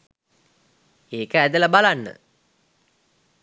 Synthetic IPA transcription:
eːkəæd̪ələbalanːə̰

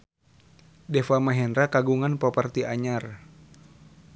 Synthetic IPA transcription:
dɛfamaɦɛnɾakaɡuŋanpɔpərt̪iaɲar

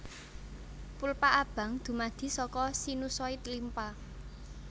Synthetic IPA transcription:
pulpaʔab̥ä̤ŋd̪̥ṳmad̪̥i̤sɔkɔsinusɔɪt̪limpa

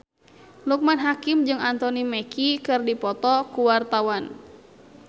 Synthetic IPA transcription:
luk̚manɦakimd͡ʒɨŋant̪ɔnimɛkikɨrdipɔt̪ɔkuwart̪awan

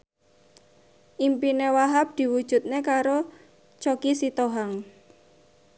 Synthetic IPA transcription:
ʔimpinewaɦap̚d̪̥i̤wud̥ʒ̥ṳt̪̚nekaɾo | t͡ʃokisit̪oɦaŋ

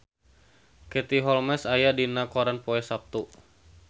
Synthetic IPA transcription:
kɛt̪iɦɔlmɛsajadinakoɾanpoɛsap̚t̪u

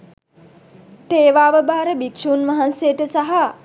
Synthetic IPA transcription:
t̪eːʋaːʋəbaːɾəbikʃuːnʋaɦansejəʈəsaɦa

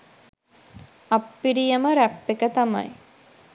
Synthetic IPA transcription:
apːiɾijəməɾæpːekət̪ama̰j

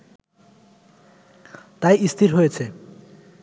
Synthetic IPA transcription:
t̪ajist̪ʰiɾɦojet͡ɕʰe

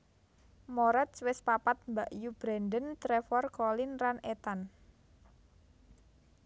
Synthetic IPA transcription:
mɔɾɛt̪swɪspapat̪̚mbaʔjub̥ɾandənt̪ɾefɔrkɔlɪnranet̪an

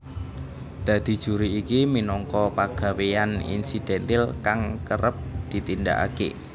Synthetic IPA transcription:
d̪̥a̤d̪̥i̤d̥ʒ̥ṳɾiːkiminɔŋkɔpaɡ̥a̤weanḭnsid̪̥ɛnt̪ɪlkaŋkəɾʔəp̚d̪̥i̤t̪ind̪a̰ʔa̰kḛ

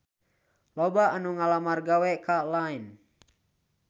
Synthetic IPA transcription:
lɔbaːnuŋalamarɡawɛkalain

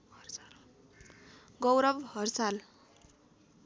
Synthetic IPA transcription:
ɡʌwɾʌbhʌrsal

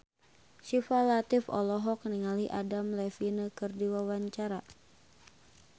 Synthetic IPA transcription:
ʃifalat̪ifɔ̰lɔɦɔk̚niŋaliʔadamlɛfinəkɨrdiwawaɲt͡ʃaɾa

